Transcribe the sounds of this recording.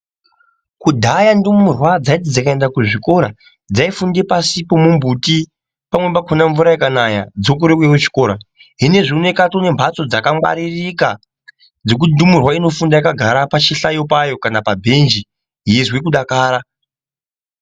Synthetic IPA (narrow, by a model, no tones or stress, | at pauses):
kudʱajandumurwad͡zaitid͡zakae̞ndakuʐiko̞ɾa | d͡zaifunde̞pasipo̞mumbuti | pamwe̞makʰonaɱvuɾajakanaja̰d͡zo̞k̬uɾekwekut͡ʃi̥ko̞ːɾa | ɦine̞ʐine̞katone̞mbʱat͡so̞d͡zakamwa̰ɾirika | d͡zo̞k̬uindumurwaino̞fundajakaɡʱaɾapat͡ʃiɬajo̞pajo̞kanapabʱend͡ʒi | jezwekuɗakaːɾa